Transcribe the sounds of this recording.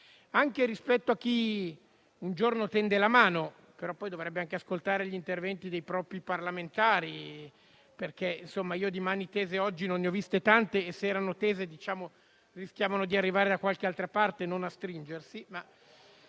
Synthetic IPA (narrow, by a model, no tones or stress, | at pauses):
aŋk̟eɾispɛt̪ːoakːi | und͡ʒornot̪ɛnd̪elamaːno | peɾɔpːɔjd̪ovɾɛbːeaŋkeaskolt̪aːɾeʎint̪ervɛnt̪id̪ejpɾɔːpɾiparlament̪aːɾi | perkeinsomːaiːod̪imanit̪eːzeɔd͡ʒːinonːeɔvist̪et̪ant̪eːsːeɛːɾanot̪ɛːzed̪it͡ʃaːmo | risk̟ʲjaːvanod̪iarːivaːɾed̪akwalkealt̪ɾapart̪enonast̪ɾind͡ʒersima